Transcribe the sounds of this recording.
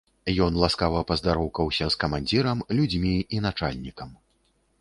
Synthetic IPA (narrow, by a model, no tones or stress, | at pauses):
jɔnlˠaskavɐpɐzd̪aɾɔwkɐwsʲɐskɐmanʲd͡zʲiɾɐmlʲud͡zʲmʲiinat͡ʂa̰lʲnʲikɐm